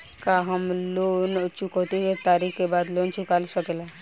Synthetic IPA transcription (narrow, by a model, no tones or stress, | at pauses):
kaɦəmloːnt͡ʃukot̪iset̪aːɾikkebaːd̪loːnt͡ʃʊkaːlisəkela